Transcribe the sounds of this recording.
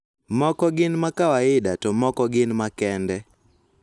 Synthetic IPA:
mɔkɔɡɪnmakawaɪdatɔmɔkɔɡɪnmakɛndɛ

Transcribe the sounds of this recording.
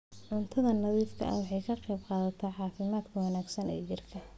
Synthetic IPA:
ʕʊnt̪ʰɐðɐnɑðiːfkʰɐ̰ʔɐ̰wɑħɑjkʰɐqejbqɑːðɐt̪ʰɐħɑːfɪmaːd̪kʰɐwɑnaːɡsɐnɛ̰jjɪrkʰɐ

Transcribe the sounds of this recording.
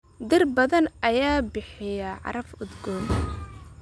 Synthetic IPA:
d̪ɪrbɐðɐnʔɐjaːbɪħɪjɐʕɑ̰ɾɐfʊd̪ɡɔː

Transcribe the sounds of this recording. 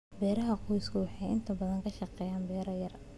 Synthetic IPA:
bɛːɾɐɦɐqɔjskʰʊwɑħɑjɪ̰nt̪ʰɐbɐðɐŋkʰɐʃɑqɛːjaːnbɛːɾɐjɐr

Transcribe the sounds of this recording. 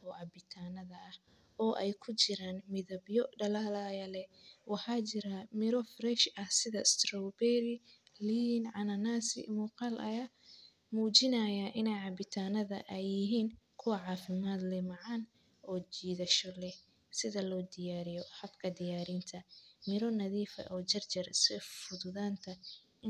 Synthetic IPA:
ɔːʕɑbɪt̪ʰaːnɐðɐʔɐh | ɔːʔɛjkʰʊt͡ʃɪɾaːnmɪðɐbjɔɖɐlaːlɐjɐlɛwɑħɑːt͡ʃɪɾɐmɪɾɔfrɛʃɐhsɪðɐst̪rɔwbɛɾɪ | linʕɑnɐnaːsɪ̰muːqɑlʔɐjaː | muːt͡ʃɪnɐjɐʔɪnɛjʕɑbɪt̪ʰaːnɐðɐ̰ʔɛjːɪɦiːnkʰʊwɐʕɑːfɪmaːd̪lɛmɑʕɑːn | ʔɔːt͡ʃiːðɐʃɔlɛh | sɪðɐlɔːd̪ɪjaːɾɪjɔħɑbkʰɐd̪ɪjaːɾint̪ʰɐmɪɾɔnɐðiːfɐ̰ʔɔːt͡ʃɐrt͡ʃɐrsɪfʊðʊðaːnt̪ʰɐ | ɪ

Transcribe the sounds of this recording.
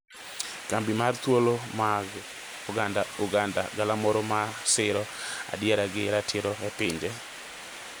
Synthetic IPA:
kambimart̪wolomaɡ | ʊɡandauɡanda̰ɡalamɔɾɔmasɪɾɔa̰djɛɾaɡɪɾatʰɪɾɔɛpɪɲd͡ʒe

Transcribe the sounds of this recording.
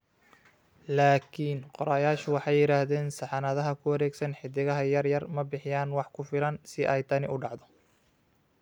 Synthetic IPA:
laːkʰiːnqɔɾaːjaːʃʊwɑħɑjːɪɾaːhðɛːnsɑħɑnɐðɐɦɐkʰʊwɐɾɛːɡsɐnħɪd̪ɪɣɐɦɐjɐrjɐrmɐbɪħɪjaːnwɑħkʰʊfɪlɐnsɪʔɛjt̪ʰɐnɪʔʊɖɑʕd̪ɔ

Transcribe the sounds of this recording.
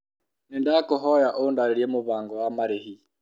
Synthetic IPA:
niːndakuɦojaʔondaɾeɾjemuβaːŋɡowamaɾehi

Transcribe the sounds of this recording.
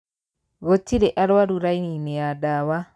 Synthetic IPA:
ɣotiɾeʔaɾwaɾuɾainineadawa

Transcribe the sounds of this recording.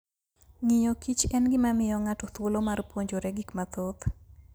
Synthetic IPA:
ŋɪjɔkit͡ʃɛnɡɪmamɪjɔŋatɔt̪wolomarpwoɲd͡ʒoɾɛɡikmat̪ot̪

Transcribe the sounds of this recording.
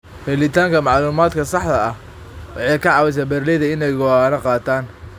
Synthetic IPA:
hɛlɪt̪ʰaːŋkʰɐmɑʕluːmaːd̪kʰɐsɑħd̪ɐɐh | wɑħɑjkʰɐʕɑːwɪs̬ɐbɛrlɛðɐɪnɛjɡɔaːnɐqɑːt̪ʰaːn

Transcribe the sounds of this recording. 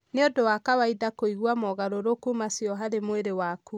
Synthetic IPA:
neodowakawaiðakoiɣwamɔɣaɾoɾokumasjɔɦaðemweɾewaku

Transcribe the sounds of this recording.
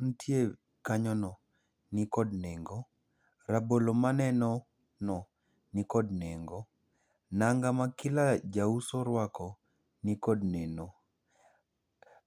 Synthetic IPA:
ntʰje | kaɲɔnɔ | nikɔdneŋɡɔ | ɾabolomanɛnɔ | nɔ | nikɔdnɛŋɡɔ | naŋɡamakɪlad͡ʒausɔɾwakɔ | nikɔdnɛno

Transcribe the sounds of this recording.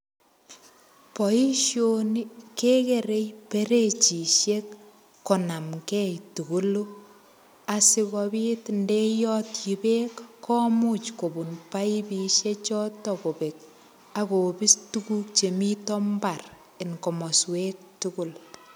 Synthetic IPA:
pɔiʃjonikekeɾejpeɾet͡ʃiʃekː | ɔnamkɛjtuɡulu | asɪkɔbitndejɔtjibekːɔmut͡ʃkobunpajbiʃet͡ʃɔtɔkobek̚ | akobistukuk̚t͡ʃemitɔmbar | ɪnkɔmɔswek̚tukʊl

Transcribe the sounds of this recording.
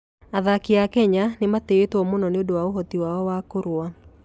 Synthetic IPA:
aðakiakɛɲanemateetwɔmonɔneodowaoɦɔtiwaɔwakoɾwa

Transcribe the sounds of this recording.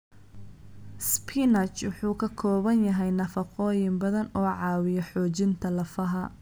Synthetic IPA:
spʰinɐt͡ʃwʊħuːkʰɐkʰɔːβɐnjɐɦɛjnɐfɐqɔːjɪmbɐðɐnɔːʕɑːwɪjɐħɔːt͡ʃɪnt̪ʰɐlɐfɐɦɐ

